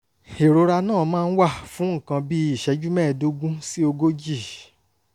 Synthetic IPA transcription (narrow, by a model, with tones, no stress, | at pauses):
e˨ɾo˨˧˦ɾa˧nãː˦˨˦mãː˦˧n̩˦wa˦˨fũ˨˦ŋ̩˦˨kã˧bi˦i˦˨ʃɛ˨˦d͡ʒu˦mɛ̃˦˨do˦ɡũ˦si˦o˧ɡo˦d͡ʒi˦˨